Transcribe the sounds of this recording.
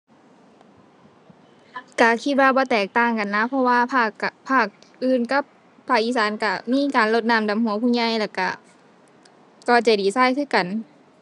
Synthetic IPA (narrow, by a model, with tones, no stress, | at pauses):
ka˧˩kʰi˧t̪̚waː˧bɔː˧˦t̪ɛː˨˩k̚t̪aː˧˩ŋka˨nːa˧˥pʰɔ˧waː˧pʰaː˧˩kpʰaː˧˩k̚ʔɯː˧˨nka˧˥pʰː | aː˧˩k̚ʔiː˧˩saː˨˦nka˧˩miː˧˥˨kaː˨nlo˧˦t̪̚naː˧˨mda˨˦mhu˨˦pʰuː˧˨ɲa˧˨jlɛː˧˩ka˧˩ | kɔː˧˩t͡ɕa˨˧˩diː˨˩saː˧˩˨jkʰɯː˧˩˨ka˨˩n